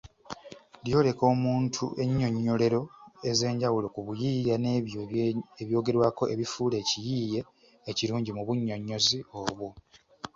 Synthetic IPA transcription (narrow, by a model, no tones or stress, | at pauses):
ljo̞ːle̞ko̞ːmuːntʰṵʔe̞ɲːo̞ɲːo̞le̞ɾo̞e̞ze̞ːɲɟawulo̞kuβujiːjane | eβjo̞ːɡe̞ɾwaːko̞ʔeβifuːle̞ːcijiːje̞ː | ciɾuːɲɟimuβuɲːo̞ɲːo̞zioːβu